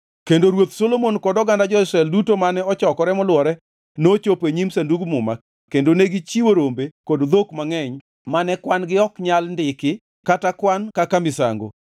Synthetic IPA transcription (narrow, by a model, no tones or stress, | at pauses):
kendoɾwot̪solomonkɔdɔɡandad͡ʒɔɪsɾɛldutomanɛɔt͡ʃɔkɔɾɛmɔlwɔɾɛ | not͡ʃopeɲimsanduɡmʊma̰ | kːendoneɡɪt͡ʃiwoɾombekodd̪okmaŋɛɲ | manɛkwanɡɪɔkɲalndɪkɪ | katakwankakamɪsa̰ŋɡo̰